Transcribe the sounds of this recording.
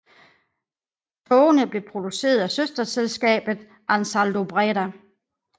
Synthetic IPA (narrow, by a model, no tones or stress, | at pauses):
t͡sʰɔːnəb̥le̝pʰʁo̝d̥use̝̰ːɐð̞ˠæsøsd̥ɐselsɡ̥ɛ̰ːb̥ð̩ˠ | ʔænsæld̥o̝b̥ʁɛɾæ